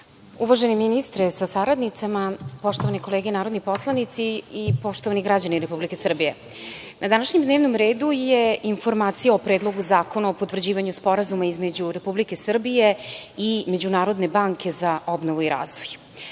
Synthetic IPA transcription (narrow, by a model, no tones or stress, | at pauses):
uʋaʒeniminist̪ɾesasaɾad̪nit̪samapo̞ʃt̪o̞ʋaniko̞leːɡenaːɾo̞d̪nipo̞slˠanit̪siipo̞ʃt̪o̞ʋaniɡɾad͡ʑaniɾe̞publike̞sr̩bije̞ | nʔad̪anaʃɲemd̪ne̞ːʋnomɾeːd̪ujeinfo̞ɾmaːt̪sijaopɾeːd̪lˠo̞ɡuzaːkonaopot̪vr̩d͡ʑiːʋaɲuspo̞ɾazumaizme̞d͡ʑuɾe̞publike̞sr̩bije̞ime̞d͡ʑunaːɾo̞d̪ne̞baŋkʰe̞zaʔobnoʋuiɾa̰ːzʋoj